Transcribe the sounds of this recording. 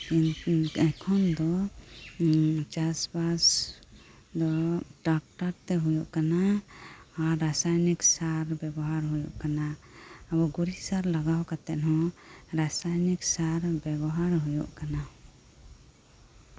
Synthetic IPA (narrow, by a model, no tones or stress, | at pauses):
inɛkʰɔnd̪ɔ | t͡ʃasbas | d̪ɔɖak̚ʈaɾt̪ɛɦujɔʔkanaː | ɾːasajniksaɾbɛbɔɦaɾɦujɔʔkanaabɔɡuɾisaɾlaɡawkat̪ɛʔɦɔ̃ɾasajniksaɾbɛbɔɦaɾɦujɔ̰ʔkana